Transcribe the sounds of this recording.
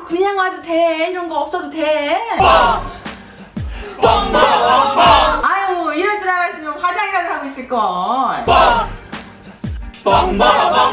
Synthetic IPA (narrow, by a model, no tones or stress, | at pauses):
kɯɲaŋadoteiɾʌnɡʌʌp̚s͈ʌdote | aiɾʌt͡ɕ͈ʰiɾaɡesʰʌt͡ɕompad͡ʑaɡiɾaduɦaɡois͈ɯɭk͈ʌ